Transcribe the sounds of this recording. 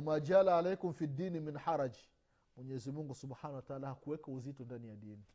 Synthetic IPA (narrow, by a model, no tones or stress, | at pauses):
amad͡ʒalaːlajkumfidːiːniminħaɾad͡ʒ | mwɛɲɛzimuŋɡusubħanawataalahakuwɛkauzitɔndanijaɗiːni